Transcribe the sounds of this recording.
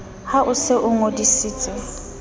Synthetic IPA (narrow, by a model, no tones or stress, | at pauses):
haʔʊsɪʔʊŋodisiːt͡sʼɪ